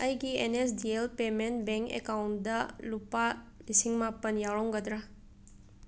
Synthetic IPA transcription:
ɐjɡienesdielpement̚beŋkḛkawntdɐlupa | lisiŋmapɐnjawɾawŋɡɐdɾa

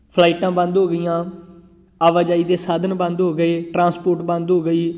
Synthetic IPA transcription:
pʰlaːiːʈãːbə̃nd̪ɦoːɡəijãː | aːʋaːd͡ʒaːiːd̪eːsaːd̪ənbə̃nd̪ɦoːɡəeːʈɾãːspoːɾʈbə̃nd̪ɦoːɡəiː

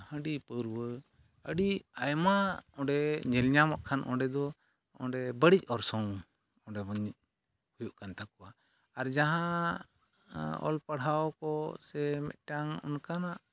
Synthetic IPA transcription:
hə̃ɖipəɾwə | əɽiajmaɔ̃ɖɛɲɛlɲamɔʔkʰanʔɔ̰̃ɖɛd̪ɔ | ɔ̰̃ɖɛbəɽic̚ˀɔɾsɔ̃w | ɔ̃ɖɛbɔɲic̚ | hujuʔkant̪akɔwa | aɾd͡ʒaɦã | ɔ̰lpəɽ̤awkɔsɛmɛ̰t̪̚ˀʈaŋɔ̰nkanaʔ

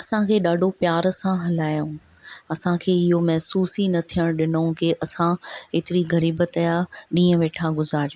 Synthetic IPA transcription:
ɐsãkʰeːɗaːɖʱopjaːɾsãɦɐlaːjũ | ɐsãkʰeːɪɦomɛɦsuːsinɐt̪ʰijəɽ̃ɗɪnəũkeʔɐsãeːt̪ɪɾiɣɐɾiːbət̪ajaːɗĩːə̃ʋeːʈʰaɡʊzaːɾijo

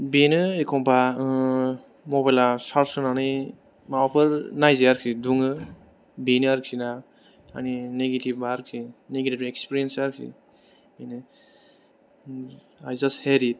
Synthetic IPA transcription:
benɯekʰɔmpʰa | mɔbajlasaɾsɯnani | maapʰɯɾnajzeaɾkʰiduŋɯ | binɯaɾkʰina | a̰nineɡetibaɾkʰineɡetibekspiɾiensaɾkʰḭ | enɯ | ajd͡ʒastheɾit̚

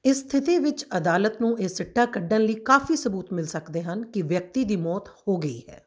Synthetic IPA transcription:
ɪsːt̪ʰɪt̪eːʋɪt͡ʃəd̪aːlət̪nũːʔeːsɪʈːaːkəɖənləiːkaːfiːsəbuːt̪mɪlsəkd̪eːɦənkɪʋjək̚t̪iːd̪iːmɔːt̪hoːɡəḭːhɛ̰ː

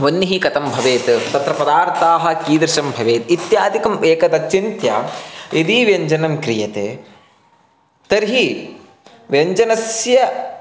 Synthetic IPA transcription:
ʋɐnːiɦikɐt̪ɐmbʱɐʋeːt̪t̪ɐt̪ɾɐpɐd̪aːɾt̪aːɦɐ̆kiːd̪ɾɪʃɐmbʱɐʋeːt̪it̪jaːd̪ikɐmeːkɐd̪ɐkʃint̪jaːid̪iʋjɐɲd͡ʒɐnɐmkɾijɐt̪ḛː | t̪ɐɾɦi | ʋjɐɲd͡ʒɐnɐsjɐ

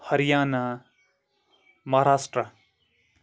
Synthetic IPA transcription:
hʌɾijaːna | mʌɦaɾaːsʈrə

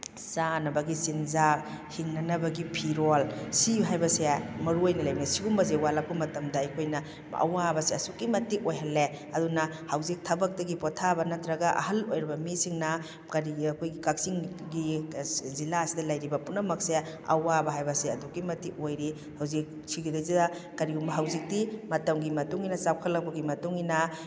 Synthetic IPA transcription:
sanɐbɐɡisinza | hiŋnɐnɐbɐɡipʰiɾolsiɦajbɐsemɐɾuojnɐlɐjbinɐsiɡumbɐzewalap̚kumɐtɐmdɐːjkʰojnɐ | ɐ̰wabɐseɐsukːimɐtikojɦɐlːe | ɐdunɐhɐwzik̚tʰɐbɐk̚tɐɡipɔtʰabɐnɐtɾɐɡɐʔɐ̰hɐlojɾibɐmisiŋnɐ | kɐɾiɐkʰojɡikak̚siŋ | ɡizilaɐsidɐlajɾibɐpunɐmɐk̚seɐ̰wabɐɦajbɐseɐdukːimɐtik̚ojɾi | hɐwzik̚ | siɡidɐzidɐkɐɾiɡumbɐɦɐwzik̚dimɐtɐmɡimɐtuŋinɐsawkʰɐlːɐk̚pɐɡimɐtuŋinɐ

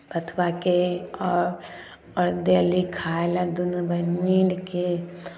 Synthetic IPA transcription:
p̪ət̪ʰʋakeɔɾ | ɔɾd̪elikʰaːlad̪ʊnbəniːɖke

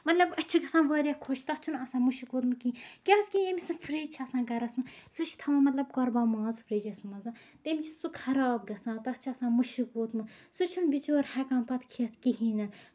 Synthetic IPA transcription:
mɐt̪lɐbɐt͡ʃʰiɡɐsãːnʋɐːɾʲjakʰot͡ʃʰt̪ɐt͡ʃʰunɐsãːmuʃikuːt̪mɨkiikʲɐskijemisɨfʰɾiːd͡ʒt͡ʃʰɐːsãːɡɐɾɐsmɨsut͡ʃʰi̥t̪ʰɐmɐmɐt̪lɐb̚kɔɾbaːmãːzfʰɾiːd͡ʒɐsmɐza | t̪emʲit͡ʃʰusukʰɐɾaːb̚ɡɐsãːt̪ɐht͡ʃʰɐsãːnmuʃikuːt̪mɨsut͡ʃʰunbit͡ʃoːɾhɛkãːmpɐt̪ʰkʰiɐt̪ʰkiɦiːnɐ

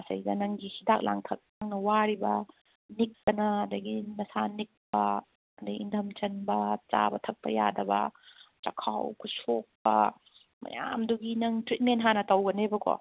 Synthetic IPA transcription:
ɐsɐ̰jdɐnɐŋɡihidak̚lʔa̰ŋtʰɐk̚nɐŋnɐwaɾibɐ | nik̚ːɐnɐːdɐɡinɐsanik̚pɐ | ɐdɐindʰʱɐmt͡ʃɐnbɐt͡ʃa̰bɐtʰɐk̚pɐja̰dɐbɐ̰t͡ʃɐkʰa̰wkʰusok̚pɐ̰ | mɐ̰ja̰mduɡinɐŋtɾit̚mentɦanɐtɐwɡɐnebɐkɔ̰

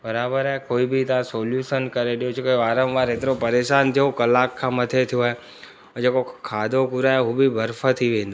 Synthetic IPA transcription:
bɐɾaːbəɾaɦekoːibɪt̪ɐãsoːljuːʃənkɐɾeɗijot͡ɕoːkeʋaːɾəmʋaːɾɦet̪ɪɾopɐɾeːʃaːnt̪ʰijokɐlaːkʰːãːmɐt̪ʰet̪ʰijoaːɦe | d͡ʑeːkokʰaːd̪ʱokʊɾaːeɦubibʱɐɾfət̪ʰːiʋẽːn̆d̪o

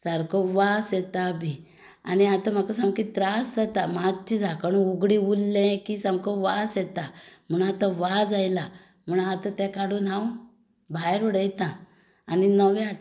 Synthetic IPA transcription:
saɾkoʋasjɛt̪abʱi | a̰niat̪am̤akas̬amkit̪ɾasd͡zat̪amat͡ɕid͡zʱakəɳ̃ũuɡɽĩulːɛ̃kisãmkɔʋasjɛt̪am̤əɳat̪aʋad͡zajla | m̤ənat̪ãt̪ɛ̃kaɽuːnɦãw | bʱajɾəɽəjt̪ãː | ninəʋa

